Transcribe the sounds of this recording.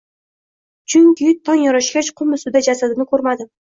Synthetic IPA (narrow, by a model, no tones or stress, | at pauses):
t͡ʃʰʊŋkʲɪjɪt̪ʰːɒŋjɒɾɑʃkʲat͡ʃqʰʊmʊsʊd̪ad͡ʒasad̪ɪnɪkʰɵɾmad̪ɪ